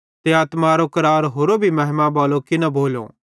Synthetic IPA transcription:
t̪eaːt̪maɾokɐɾaːɾɦoːɾobʱimɛɦmaboːlokɪnɐboːlo̰ː

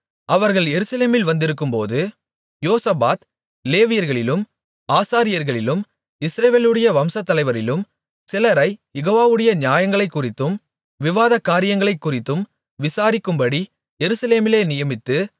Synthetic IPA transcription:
ʔɐʋɐɾɣɐɭjɛɾɯsɐleːmɪlʋɐnd̪ɪɾɯkːɯmpo̰ːðɯ | joːsɐbaːt̪ | leːʋɪjɐɾɣɐɭɪlɯm | aːsaːɾɪjɐɾɣɐɭɪlɯm | ɪsɾɐʋeːlɯɽɐjɐʋɐmsɐt̪ːɐlɐɪʋɐɾɪlɯm | sɪlɐɾɐɪjɛɣoːʋaːʋɯɽɐjɐnɪjaːjɐŋɡɐɭɐɪkːʊrɪt̪ːɯm | ʋɪʋaːðɐkːaːɾɪjɐŋɡɐɭɐɪkːʊrɪt̪ːɯm | ʋɪsaːɾɪkːɯmbɐɽi | jɛɾɯsɐleːmɪleːnɪjɐmɪt̪ːɯ

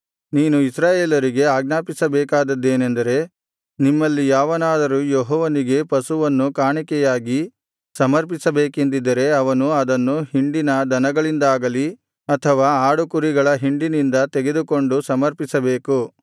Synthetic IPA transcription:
niːnuisɾaːjeːlɐɾiɡe̞aːɡnaːpisɐbɛːkaːd̪ɐd̪ːe̞ːnend̪ɐɾe̞ | nimːɐlːijaːʋɐnaːd̪ɐɾuːjoɦɔːʋɐniɡe̞pɐsuʋɐnːukaːɳikɛjaːɡi | sɐmɐɾpisɐbeːkend̪id̪ːɐɾe̞ɐʋɐnuɐd̪ɐnːuhiɳɖinɐd̪ɐnɐɡɐɭind̪aːɡɐli | ɐt̪ʰɐʋaːaːɽukuɾiɡɐɭɐɦiɳɖinind̪ɐt̪eɡe̞d̪uko̞ɳɖusɐmɐɾpisɐbeːku

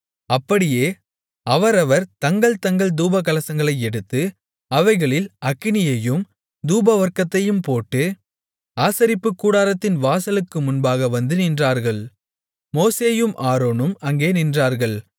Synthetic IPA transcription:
ɐpːɐɽɪjeː | ɐʋɐɾɐʋɐɾt̪ɐŋɡɐɭt̪ɐŋɡɐɭd̪uːbɐkːɐlɐsɐŋɡɐɭɐɪɛɽɯt̪ːɯ | ɐʋɐɪɣɐɭɪlɐkːɪnɪjɐjɯm | d̪uːbɐʋɐɾkɐt̪ːɐjɯmpoːʈːɯ | aːsɐɾɪpːɯkːuːɽaːɾɐt̪ːɪnʋaːsɐlɯkːɯmʊnbaːɣɐʋɐnd̪ɯnɪndraːɾɣɐɭ | moːseːjɯmʔaːɾoːnɯmɐŋɡeːnɪndraːɾɣɐɭ

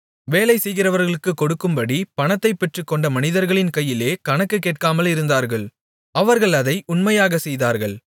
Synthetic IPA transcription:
ʋeːlɐɪsɛjɣɪrɐʋɐɾɣɐɭɯkːɯkːɔɽɯkːɯmbɐɽipɐnɐt̪ːɐɪpːɛʈrɯkːɔɳɖɐmɐnɪðɐɾɣɐɭɪnkɐjːɪleːkɐnɐkːɯkːeːʈ̚kaːmɐlɪɾɯnd̪aːɾɣɐɭ | ɐʋɐɾɣɐɭɐðɐɪʊnmɐjaːɣɐsɛjðaːɾɣɐɭ

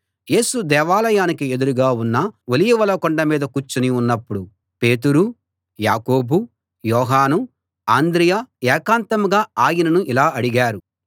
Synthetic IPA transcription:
je̞ːsud̪ɛːʋaːlɐjaːnikie̞d̪uɾuɡaːunːɐʋolijuʋɐlɐkɔɳɖɐmiːd̪ɐkut͡ʃːuniunːɐpːuɽu | pe̞ːt̪̬uɾu | jaːko̞ːbu | jɔːɦaːnu | aːnd̪ɾijaɛːkaːnt̪ɐmɡaːaːjinɐnuʔilaːʔɐɽiɡaːɾu

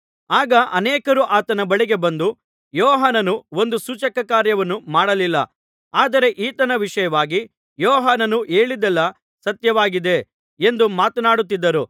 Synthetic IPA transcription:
aːɡɐʔɐneːkɐɾuʔaːt̪ɐnɐbɐɭiɡe̞bɐnd̪u | jɔːɦaːnɐnuo̞nd̪usut͡ʃɐkɐkaːɾjɐʋɐnːumaːɽɐlilːɐ | aːd̪ɐɾe̞ʔiːt̪ɐnɐʋiʂɐjɐʋaːɡi | jɔːɦaːnɐnuʔe̞ːɭid̪ɛlːɐ | sɐt̪jɐʋaːɡid̪e̞ | end̪umaːt̪ɐnaːɽut̪ːid̪ːɐɾu

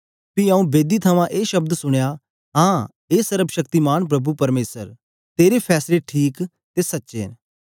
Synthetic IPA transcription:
piɐũbeːd̪it̪ʰɐmãʔeːʃɐb̚d̪sʊɽ̃jaː | ɦãː | eːsəɾəbʃɐk̚t̪imaːɳ̃p̬ɾɐbupɐɾmeːsəɾ | t̪eːɾepʰɛːsleʈʰiːk | t̪eːsɐtːʃḛːn

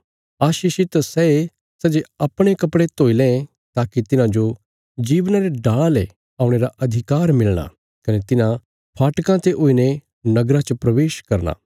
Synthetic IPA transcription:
aːʃiːʃɪt̪sɛe | sɐd͡ʒeɐpɽ̃ekɐpɽet̪oːilẽ | t̪aːkit̪ɪnãd͡ʒo | d͡ʒiːʋnaɾeɖaːɭle | aːʊ̃ɽ̃eɾaʔɐd̪ʱɪkaːɾmɪlɽ̃a̰ | kɐnet̪ɪnã | pʰaːʈkãt̪eʔoːine | nɐɡɾãt͡ʃəpɾɐʋeːʃkɐɾna̰ː

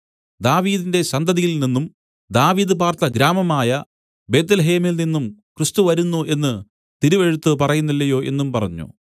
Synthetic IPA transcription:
d̪aːʋiːðinde̞ɕɐnd̪ʱɐðijilninːum | d̪aːʋiːðɨpaːrt̪ɐɡɾaːmɐmaːjɐ | be̞ːt̪̬ːɐlɐɦe̞ːmilninːumkrɨst̪uʋɐɾunːuʔe̞nːɨ | t̪iɾuʋe̞ɻut̪ːɨpɐrɐjunːilːɐjo̞ːʔe̞̰nːumpɐrɐɲːṵ

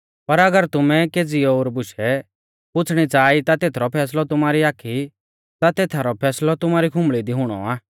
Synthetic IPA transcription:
pɐɾɐɡəɾt̪ʊmɛkeːd͡ziɔoːɾbʊʃɛ | pʊt͡sʰɽ̃it͡saːit̪at̪eːt̪ʰɾɔpʰɛːslɔt̪ʊmaːɾiaːkʰi | t̪at̪eːt̪ʰaɾɔpʰɛːslɔt̪ʊmaːɾikʰʊ̃mɭid̪iɦʊɽ̃ɔ̰aː

